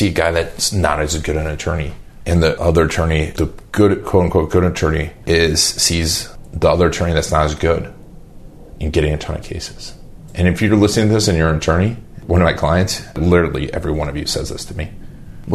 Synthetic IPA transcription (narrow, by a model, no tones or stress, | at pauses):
siɨɡaɪðɨtsnə̰ɾɨzɡʊɾɨ̃nɨtʰɜ˞ni | ʔɨ̃nðiʔʌðə˞ɨtʰɜ̃˞niðɨɡ̥ʊɾkʰoʊ̃n̩kw̥oʊt̚ɡ̥ʊɾɨtʰɜ̃˞niʔɪz̥sizðiʌðə˞ɨtʰɜ̃˞niðɨtsnəɾɨzɡʊɾ | ɨ̃nɡɛɾɪ̃ŋɨ̃tʰʌ̃˞nɨ̰kʰeɪsɨ̥z̥ | ʔɨ̃nɨfjə˞lɪsnɪ̃ŋtʰɨðɪsɨ̃njə̃˞ɨtʰɜ̃˞ñiwʌ̃nʌvmaɪkʰl̥aɪɨ̃ntslɪɾə˞l̩ˠiʔɛ̰vɹiwʌ̃ñʌvjɨ̰sɛ̰zðɪ̰stʰɨmi